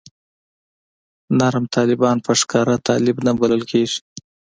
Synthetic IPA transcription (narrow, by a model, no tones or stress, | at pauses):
naɾmt̪ʰɑlɪbɑnpəʂkɑɾat̪ʰɑlɪbnabaləlkʰeʐi̥